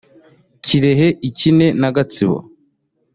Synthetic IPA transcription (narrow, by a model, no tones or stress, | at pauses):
ciɾe̞ɦe̞ʔicine̞naɡat͡siβo̰